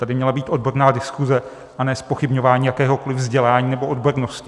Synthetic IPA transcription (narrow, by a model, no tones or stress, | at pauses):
t̪adɪmɲɛlabiːt̪ʔo̞d̚bo̞ɾnaːdɪskuzɛ | ʔanɛːspo̞xɪbɲo̞vaːɲiːjakɛːɦo̞kolɪvzɟɛlaːɲiːnɛbo̞odboɾnoscɪ